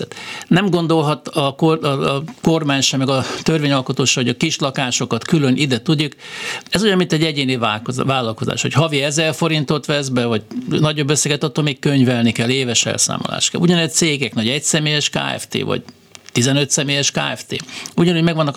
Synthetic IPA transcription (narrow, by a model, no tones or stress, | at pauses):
t̪nɛmɡo̞nd̪o̞lɦɒt̪ɒkoko̞rmaːɲʃɛmɛɡɒt̪ørvʋeːɲɒlko̞t̪oːʃɛvoɟɒkiʃlɒkaːʃo̞kɒt̪kylø̞nid̪ɛt̪ud̪ːukɛzojɒmːint̪ɛɟːɛɟeːnivavaːlɒlko̞za̰ːʃho̞̰chɒviɛzɛrfo̞ɾint̪o̞t̪ʋɛzbɛvɒɟnɒɟo̞bːøsːɛɡɛt̪ɒt̪ːolmeːkkøɲvɛlnikɛlːeːvɛʃɛ̰lsa̰ːmo̰la̰ːʃt̪kɛ̰lʔuɟɒnɛt̪seːɡɛknoɟɛcsɛmeːjɛʃka̰ːɛ̰ft̪ḛːvɒ̰ɟ | t̪izɛnøt̪sɛmeːjɛʃka̰ːɛft̪ḛːuɟɒnuɟmɛɡvɒnːɒk